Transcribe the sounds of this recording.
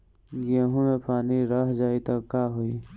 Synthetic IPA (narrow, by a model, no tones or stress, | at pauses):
ɡiaːɦũmẽpaːniɾaɦd͡ʒaːit̪ɐkːaːɦoi